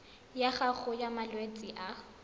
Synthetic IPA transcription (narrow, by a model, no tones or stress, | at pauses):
jaχaχʊjamalwet͡sʼiʔa